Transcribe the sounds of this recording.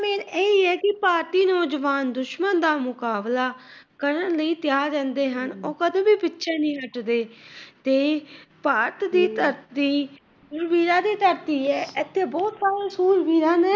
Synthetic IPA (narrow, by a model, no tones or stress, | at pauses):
meːneiɛːkɪpaːɾt̪iːnɔːd͡ʒəʋaːnd̪ʊʃmənd̪aːmʊkaːblaː | kəɾənləiːt̪ɪjaːd͡ʒə̃ːnd̪eːɦənoːkəd̪õːbiːpɪtːʃʰeːnĩːɦəʈd̪eːt̪eːpaːɾt̪d̪iːt̪əɾt̪iː | suːɾbiːɾãːd̪iːt̪əɾt̪iːɛːɪt̪ʰːeːbɔːt̪saːɾẽːsuːɾbiːɾãːnɛː